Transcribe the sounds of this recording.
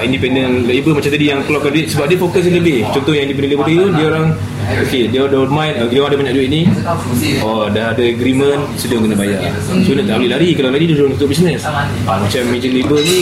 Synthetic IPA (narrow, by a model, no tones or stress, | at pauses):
indipɛndənlibəmat͡ʃamt̪adijaŋkəlakanduɪt̪̚səbap̚diəfokəs̬ləbɪht͡ʃɔnt̪ɔhjaŋindip̬ɛndənlibərdiudiəoɾaŋ | okediədarmãjnkaɡidaŋadabaɲaʔduɪt̪̚ni | ɔdaɦadəəɡɾimə̃n | sədaŋkənabajaʔ | soinat̪aʔleɦlaɾikalalaɾidiəduɾaŋt͡ʃut̪ʊʔbis̬nəs | amat͡ʃamːed͡ʒəlibəl